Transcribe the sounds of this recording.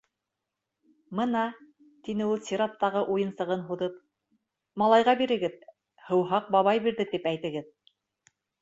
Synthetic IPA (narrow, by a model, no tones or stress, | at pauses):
mɤ̆nɑ | t̪inɘulˠsʲiɾat̪ːɑʁɤʔujɤ̆nsɤ̆ʁɤnɦuðɤp | mɑlˠɑjʁɑbiɾɘ̆ɡɘð | hɤ̆wɦɑq̚bɑβɑjbiɾðɘt̪ipæjt̪ɘ̆ɡɘð